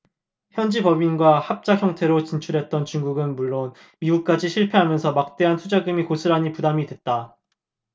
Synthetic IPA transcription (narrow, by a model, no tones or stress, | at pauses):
çjʌnd͡ʑipʌbinɡwahap̚t͡ɕ͈açjʌŋtʰe̞ɾot͡ɕint͡ɕʰuɾɦe̞t̚t͈ʌnt͡ɕuŋɡuɡɯnmuɭːon | miɡuk̚k͈ad͡ʑiɕʰiɭpʰe̞ɦamjʌnsʰʌmak̚t͈e̞ɦantʰud͡ʑaɡɯmikosʰɯɾaɲipudamidwe̞t̚t͈a